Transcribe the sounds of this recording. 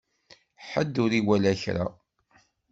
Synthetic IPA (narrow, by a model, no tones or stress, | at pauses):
ħəd̪ːʊɾiwælæçɾa̰